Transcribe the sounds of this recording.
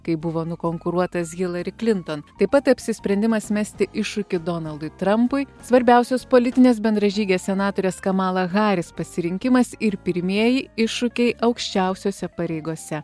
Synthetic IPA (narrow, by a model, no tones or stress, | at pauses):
kɐɪbʊʋoːnʊkoːŋkʊɾuɔt̪ɐsɣʲɪlˠɐɾʲɪklʲɪnt̪ont̪ɐɪpɐt̪ɐpʲsʲɪsʲpʲɾʲɛnʲd̪ʲɪmɐsmʲæsʲt̪ʲɪʔɪʃːʊkʲɪd̪onɐlˠd̪ʊɪt̪ɾɐmpʊɪsʋɐɾʲbʲɛˑʊsʲoːspoːlʲɪt̪ʲɪnʲeːsbʲɛnd̪ɾɐʒʲiːɡʲeːssʲɛnɑːt̪oːɾʲeːskɐmɑːlˠɐɣɑːɾʲɪspɐsʲɪɾʲɪŋʲkʲɪmɐsɪɾpʲɪɾʲmʲiɛjɪɪʃːʊkʲɛɪʔɐʊkʃʲt͡ʃʲɛˑʊsʲoːsʲɛpɐɾʲɛɪɡoɔsʲɛ